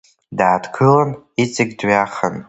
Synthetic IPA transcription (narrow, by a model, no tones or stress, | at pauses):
daːdkʰɨlan | it͡sʼɪɡʲdɥaχan